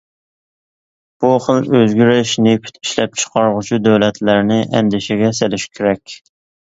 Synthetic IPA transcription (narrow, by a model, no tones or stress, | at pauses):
b̥uχəlˠøzɡʲyɾɪʃnɪpʰy̥t̪ʰi̥ʃlɛp̚t͡ʃʰə̥qɑɾʁʊt͡ʃʰud̪æwlɛt̪læɾnɪʔɛ̰nd̪ɪʃɪɡʲɛsɪlɪʃkʲʰeɾɛkʲ